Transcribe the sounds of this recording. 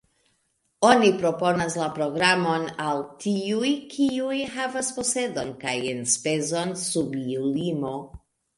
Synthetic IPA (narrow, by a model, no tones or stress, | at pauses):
onipɾoponaslapɾoɡɾamo̞naltʰiujkʰiujhavaspo̞sedo̞nkajenspezo̞nsubilimo̞